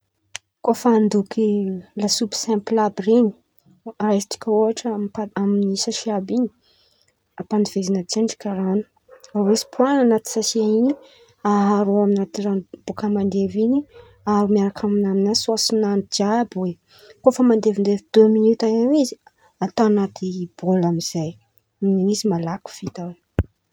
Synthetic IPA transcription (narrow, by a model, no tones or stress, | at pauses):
kofand̪ukʰilasupsɛ̃mplabreni̥ | rat̪i̥kʲaoɦaʈ͡ʂəaaminisaʃiabiɲi̥ | apanivezinat͡saɳɖ͡ʐi̥kaɾanu̥ | awesi̥pʰuananat̪i̥sasiaiɲi | aɦaɾoaminat̪iranbokəmand̪evini | aɾumiaɾakʰaminaminasuasinand͡ʒabwe | kofəmand̪evind̪evid̪øminut̪aewizi | at̪anat̪ib̥olamiz̥aj | izimalaku̥v̥it̪awe